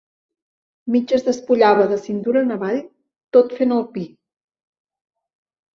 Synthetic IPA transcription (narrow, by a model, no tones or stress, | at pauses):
mid͡ʒəzðəspuʎaβəðəsint̪uɾənəβaʎ | t̪ot̪fenəlˠpi